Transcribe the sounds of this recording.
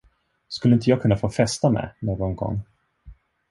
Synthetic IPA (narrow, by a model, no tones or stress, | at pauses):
skɵləɪnt̪əjɑːɡkʰɵnːafoːfɛst̪amɛ̰noːɡɔnɡɔ̰ŋː